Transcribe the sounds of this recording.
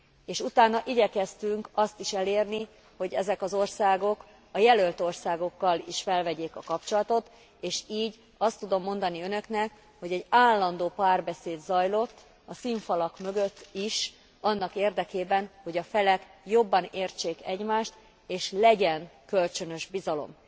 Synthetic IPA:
eːʃut̪aːnɒʔiɟɛkɛst̪yŋkɒst̪iʃɛleːrni | ho̞ɟɛzɛkɒzo̞rsaːɡo̞k | ɒjɛlø̞lt̪o̞rsaːɡo̞kːɒliʃfɛlvɛɟeːkɒkɒpt͡ʃo̞lɒt̪o̞t̪ | eːʃiːɟ | ɒst̪ːud̪o̞mːo̞nd̪ɒniønø̞knɛk | ho̞ɟɛɟaːlːɒnd̪oːpaːrbɛseːd̪zɒjlo̞t̪ː | ɒsiɱfɒlɒkmø̞ɡøt̪ːiʃ | ɒnːɒkeːrd̪ɛkeːbɛnho̞ɟɒfɛlɛkjo̞bːɒneːrt͡ʃeːkɛɟmaːʃt̪ | eːʃlɛɟɛnkølt͡ʃønø̞ʒbizɒlo̞̰m

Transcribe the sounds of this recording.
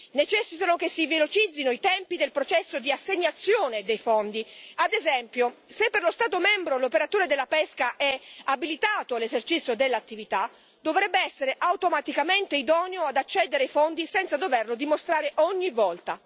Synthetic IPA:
net͡ʃɛsːit̪anokesːivelot͡ʃid̪zːinoit̪ɛmpid̪elpɾot͡ʃɛsːod̪iasːeɲːat̪sːjoːned̪ejfɔnd̪iad̪ezɛmpjosepːerlost̪aːt̪omɛmbɾolopeɾat̪oːɾed̪elːapɛskaʔɛabilit̪aːt̪oalezert͡ʃit̪sːjod̪elːat̪ːivit̪a | d̪ovɾɛbːeɛsːeɾeʔawt̪omat̪ikament̪eid̪ɔːnjoad̪at͡ʃːɛd̪eɾeajfond̪isɛnt̪sad̪ovɛrlod̪imost̪ɾaːɾeʔɔɲːivɔlt̪a

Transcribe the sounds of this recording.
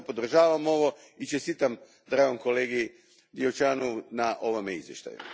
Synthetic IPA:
po̞d̪r̩ʒaːʋamo̞ʋo̞ | it͡ʃest̪it̪am | d̪ɾaɡoŋko̞leːɡi | d̪io̞t͡ʃaːnounaʔo̞ʋomeḭzʋje̞ʃt̪a̰jṵ

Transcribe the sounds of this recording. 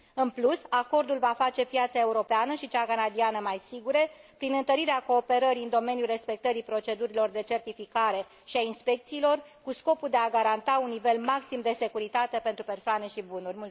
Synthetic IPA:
ɨnplusako̞rd̪ulvafat͡ʃe̞pjat̪sae̞uɾo̞peanəʃit͡ʃakanad̪ianəmajsiɡuɾepɾinɨnt̪əɾiɾeako̞ːpe̞ɾəɾiɨnd̪o̞me̞nijulre̞spe̞k̚t̪əɾipɾo̞t͡ʃe̞d̪uɾilo̞rd̪e̞t͡ʃe̞rt̪ifikaɾe̞ | ʃiainspe̞k̚t̪siːlo̞rkusko̞puld̪e̞aɡaɾant̪aunːive̞lmaksimd̪e̞se̞kuɾit̪at̪e̞pe̞nt̪ɾupe̞rsoane̞ʃibunurʲmu

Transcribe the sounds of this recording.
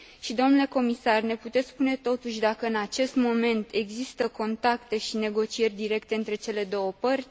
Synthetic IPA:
ʃid̪o̞mnule̞ko̞misarne̞put̪e̞t̪spune̞t̪o̞t̪uʃʲd̪akəɨnat͡ʃe̞st̪mo̞me̞nt̪e̞ɡzist̪əko̞nt̪akt̪e̞ʃine̞ɡo̞t͡ʃie̞rʲd̪iɾe̞kt̪e̞ɨnt̪ɾe̞t͡ʃe̞le̞d̪o̞wəpərʲ

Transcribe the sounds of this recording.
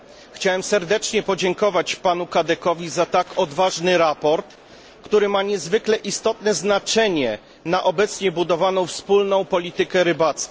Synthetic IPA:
xt͡ɕawɛmsɛɾd̪ɛt͡ʂɲɛpɔd͡ʑɛŋkɔvat͡ɕpanukad̪ɛkɔvʲizat̪akɔd̪vaʐnɘɾapɔɾt̪ | kt̪uɾɘmaɲɛzvɘklɛʔist̪ɔt̪nɛznat͡ʂɛɲɛ | naʔɔbɛt̪sɲɛbud̪ɔvanɔ̃w̃fspulnɔ̃w̃pɔlʲit̪ɘkɛɾɘbat̪sk

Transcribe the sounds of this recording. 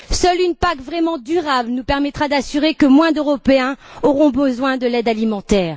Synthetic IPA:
sœlynpakvʁɛmɑ̃d̪yʁablnupɛʁmɛt̪χad̪asyʁekəmwɛ̃d̪øʁɔpeɛ̃ɔʁɔ̃bəzwɛ̃d̪əlɛd̪alimɑ̃t̪ɛːʁ

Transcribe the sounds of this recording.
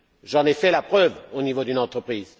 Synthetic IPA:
ʒɑ̃nɛfɛlapχœvonivod̪ynɑ̃t̪χəpχiːz

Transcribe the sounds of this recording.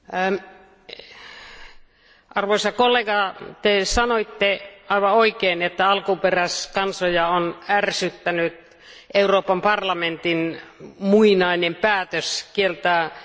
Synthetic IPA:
ʔɑrʋoisɑkolːeɡɑt̪esɑnoit̪ːeɑiʋɑoikeːnet̪ːæɑlkuperæskɑnsojɑonærsyt̪ːænyt̪ | ʔeuroːpɑmpɑrlɑment̪inmuinɑinempæːt̪øskielt̪æ

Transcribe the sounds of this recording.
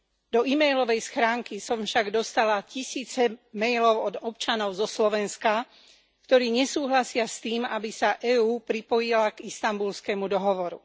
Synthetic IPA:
d̪ɔimɛjlɔʋɛjsxɾaːŋkisɔmfʃaɡd̪ɔst̪alacisiːt͡sɛmɛjlɔʊɔd̪ɔpt͡ʃanɔʊzɔslɔʋɛnska | kt̪ɔɾiːɲɛsuːɦlasɪast̪iːmabisaʔɛːuːpɾipɔjilaɡist̪ambulskɛmud̪ɔɦɔʋɔɾṵ

